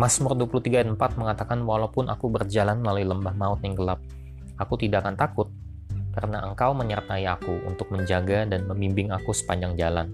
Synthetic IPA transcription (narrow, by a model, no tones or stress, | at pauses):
masmʊrduapuluht̪iɡanəmpat̪̚məŋat̪akanwalapʊnʔa̰kubərd͡ʒalanəlaluiləmbahmaʊt̪̚jaŋɡəlap̚ | akut̪idakant̪akʊt̪̚ | karənaʔəŋkawməɲərt̪aiakuṵnt̪ʊk̚məɲd͡ʒaɡadanməmbimbɪŋakusə̥paɲd͡ʒaŋd͡ʒalan